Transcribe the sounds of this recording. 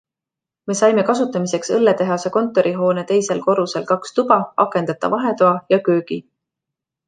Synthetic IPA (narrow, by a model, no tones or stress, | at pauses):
me̞sɑjme̞kɑsut̪ːˑɑmise̞ksɤlːet̪e̞ɦɑseko̞nt̪ːˑo̞ɾiɦo̞ːne̞t̪e̞jse̞lko̞ɾuselkɑkst̪ub̥ɑɑkːˑe̞nd̪̥ɑt̪ːˑɑ̰vɑɦe̞t̪oɑjɑkøːɡ̥i